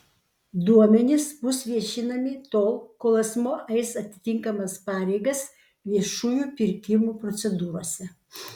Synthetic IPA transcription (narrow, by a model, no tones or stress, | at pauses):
d̪uɔmʲɛnʲɪsbʊsʋʲiɛʃʲɪnɐmʲɪt̪oːlˠkoːlˠɐsmoːʔɛɪsɐt̪ʲɪ̥t̪ʲɪŋkɐmɐspɑːɾʲɛɪɡɐs | ʋʲiɛʃuːjuːpʲɪɾʲkʲɪmuːpɾɔt̪sʲɛd̪uːɾoːsʲɛ